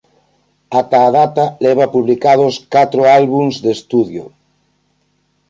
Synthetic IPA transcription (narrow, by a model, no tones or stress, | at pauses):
at̪aːðat̪alɛβ̞apuβlikað̞oskat̪ɾoalβuŋzðest̪uðjo̰